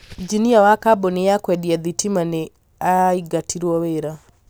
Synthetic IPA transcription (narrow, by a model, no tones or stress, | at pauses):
d͡ʒiniawakabɔnejakwɛdiaðitimane | aiɡatʰiɾwɔweɾa